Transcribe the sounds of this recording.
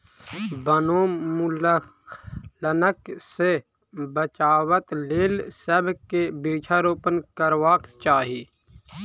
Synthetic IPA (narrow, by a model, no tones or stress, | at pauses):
bənoːmul | lənəkse | bət͡ʃaːwət̪leːlsəbʱkebiːt͡ʃʰaɾoːpənkəɾwaːkt͡ʃaːɦiiː